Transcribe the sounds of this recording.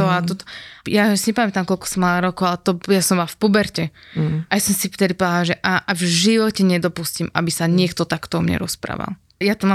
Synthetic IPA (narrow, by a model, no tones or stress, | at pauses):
ɔat̪ɔt̪ɔ̥jasiɲɛpamɛt̪amkɔlkɔ̥sɔmalaɾɔkɔʊalɛt̪ɔjasɔmbɔlafpubɛɾcɛʔajasɔmsit̪ɛd̪ipɔd̪alaʒɛʔaʔvʒiʋɔcɛɲɛd̪ɔpuscima̰bisaɲɪɛkt̪ɔt̪akt̪ɔɔmɲɛ̰ɾɔspɾa̰ːʋa̰lˠ | jat̪ɔma